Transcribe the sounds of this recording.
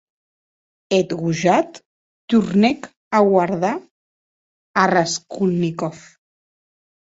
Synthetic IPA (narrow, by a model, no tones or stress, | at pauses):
et̪ɣuʒat̪ː | uɾnɛk | aɣwaɾða | araskulnikɔf